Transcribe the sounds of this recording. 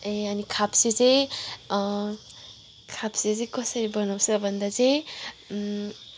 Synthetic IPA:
eanikʰapseze | kʰapsezekɔsəɾibɔnawsabʌnd̪aze

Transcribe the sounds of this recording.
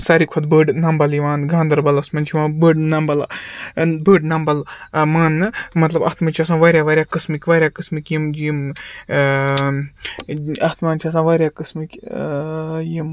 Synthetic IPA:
sɐɾikʰɐd̪bəːɖnɐmbɐljiʋaːnɡaːnd̪ɐɾbɐlɐsmɐnt͡ʃʰiʋãːbəːɖnɐmbɐla | bəːɖnɐmbɐlmaːnːɨmɐt̪lɐbɐ̰t̪mɐnt͡ʃʰias̬ãːʋɐɾʲaːʋɐɾʲjaːkɨsmɨkʲʋɐɾʲjaːkɨsmɨkʲjimd͡ʒim | ɐt̪maːnt͡ʃʰias̬ãːʋɐɾʲjaːkɨsmɨkʲ | jim

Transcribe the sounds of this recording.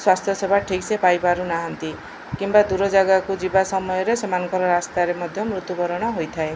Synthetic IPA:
swast̪ʰjɔsebʱaʈʰiksepajbaɾunaɦɔnt̪i | kimbad̪uɾɔd͡ʒaɡakud͡ʒibasɔmɔjɔɾesɔmanɔŋkɔɾɔɾast̪aɾemɔd̪ʱjɔmɾut̪upɔɾɔɽ̃ɔɦojt̪ʰae

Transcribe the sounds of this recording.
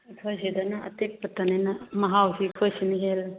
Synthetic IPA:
kʰojsedanaɐ̰tek̚pɐtːananamɐɦawsikʰojsiniɦel

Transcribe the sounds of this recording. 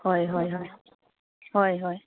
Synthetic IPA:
hɔjɦɔjɦɔj | hɔjɦɔj

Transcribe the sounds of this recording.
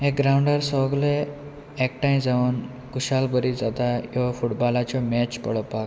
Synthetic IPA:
ek̚ɡɾaũɳɖəɾsɔɡle | ɛk̚ʈãj̃ĩd͡zaʋun | kuɕalbəɾid͡zat̪ajɔfuʈbɔlat͡ɕɔmɛt͡ɕpə̰ɭ̤əpak

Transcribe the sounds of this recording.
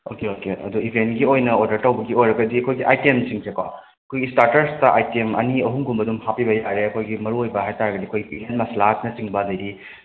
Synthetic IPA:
okeokeɐ̰duibʱentɡiojnɐoɾdɐɾtɐwbɐɡiojɾɐɡɐdiɐkʰojɡiʔajtemsiŋsʰekwa | ɐkʰojɡistaɾtɐɾstɐʔa̰jtemɐ̰niɐɦuŋɡumbɐdumhapibɐjaɾeɐkʰojɡimɐɾuojbɐɦajtaɾɐɡɐdiɐkʰojɡipiɦentmɐslatnɐt͡ʃiŋbɐdɐjɾi

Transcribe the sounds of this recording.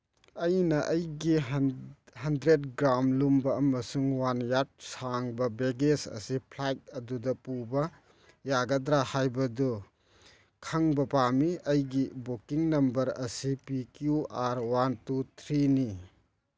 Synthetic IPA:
ɐjnɐʔɐjɡi | hɐndɾet̚ɡɾamlumbɐɐmɐsuŋwanjat̚saŋbɐbeɡesɐ̰sipʰlajt̚ɐdudɐpubɐ | jaɡɐdɾahajbɐdu | kʰɐŋbɐpamiɐjɡibokiŋnɐmbɐɾɐsipikjuaɾwantutʰɾini

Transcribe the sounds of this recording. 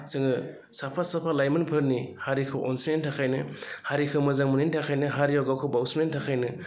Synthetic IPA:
sɯŋɯ | sapʰasapʰalajmɯnpʰɯɾnihaɾikʰɯʔɔnsinentʰakʰajnɯhaɾikʰɯmɯzaŋmɯnentʰakʰajnɯɦaɾijawɡawkʰɯbawsmentʰakʰajnɯ

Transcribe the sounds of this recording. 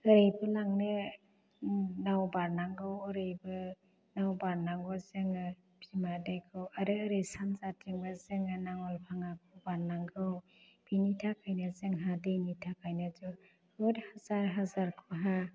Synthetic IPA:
ɯɾejbɯlaŋnɯ | nawbaɾnaŋɡɯwɯɾejbɯ | nawbaɾnaŋɡɔzɯŋɯ | bʰimadejkʰɯwaɾɯːɾejsanzatiŋbɯzɯŋɯnaŋɔlpʰaŋakʰubaɾnaŋɡɯw | b̥initʰakʰajnɯzɯŋɦadejnitʰakʰajnazu | ɾɔthazaɾɦazaɾkʰuɦa

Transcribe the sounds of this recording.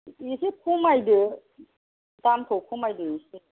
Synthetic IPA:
isikʰumajdɯ | t̪amt̪ʰukʰumajdɯisi

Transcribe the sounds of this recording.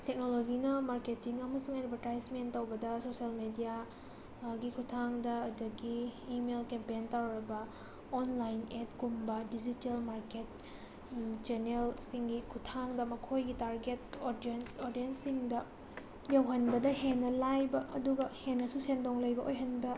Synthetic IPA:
tek̚nolod͡ʒinɐmaɾketiŋɐmɐsuŋajɾɐbɐtɾajsmentɐwbɐdɐsoselmedija | ɡikʰutʰaŋdɐːdɐɡiːmelkempentawɾɐbɐ | onlajnet̚ɡumbɐdid͡ʒitelmaɾket̚ | t͡ʃenelsiŋɡikʰutʰaŋdɐmɐkʰojɡitaɾɡetodiensoɾdiensːiŋdɐ | jɐwɦɐnbɐdɐhenːɐlajbɐʔɐ̰duɡɐhenːɐsusendoŋlɐjbɐʔojɦɐnbɐ

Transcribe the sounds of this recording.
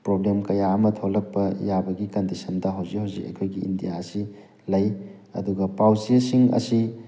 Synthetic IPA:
pɾoblemkɐjaɐmɐtʰolɐk̚pɐ̰jabɐɡikɐndisɐndɐɦawzihawzḭkɐ̰jkʰojɡiḭndijaɐsi | lɐjɐ̰duɡɐpawsiɐsiŋɐ̰si

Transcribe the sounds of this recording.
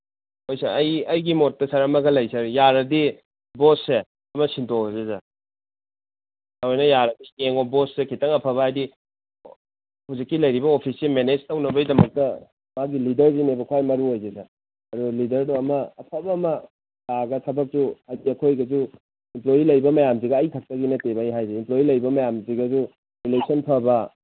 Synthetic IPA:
hojsaɐjɐjɡimot̚ːɐsɐɾɐmɐɡɐlɐjsʰɐɾjaɾɐdi | bosːe | ɐmɐsintʰozeza | hawajnɐjaɾɐdieŋobossekʰitɐŋɐpʰɐbɐajdi | huzikːilɐjɾibɐopʰiselmened͡ʒtɐwnɐbɐjdɐmɐk̚tɐ | maɡilidɐɾzinebɐkʰwajmɐɾuojzeza | ɐɾulidɐɾnuɐmɐɐpʰɐbɐːmɐ | baɡɐtʰɐbɐk̚suhajdiɐkʰojɡɐzu | implojilɐjbɐmɐjamziɡɐːjtʰɐk̚tɐɡinɐtebɐɐjɦajzeimplojilɐjbɐmɐjamziɡɐzu | ɾilesonpʰɐbɐ

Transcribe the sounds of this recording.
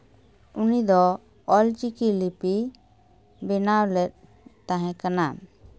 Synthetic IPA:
unid̪ɔ | ɔlt͡ʃikilipi | bɛnawlɛt̪̚ | t̪ãɦɛ̃kana

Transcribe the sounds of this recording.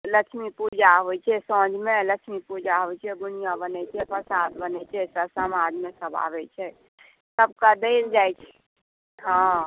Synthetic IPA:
ləkʃʰmipud͡ʒaɦojt͡ʃʰɛsɔ̃d͡ʒmẽləkt͡ʃʰʃʰmipud͡ʒaɦoit͡ʃʰɛd̪ʊnijabənɛt͡ʃʰɛpʰəsad̪bənɛt͡ʃʰɛsəsəmãːd͡ʒmẽsəba̰ːʋɛt͡ʃʰɛ | səb̚kad̪eld͡ʒaːjt͡ʃʰɛ̥ | ɦã

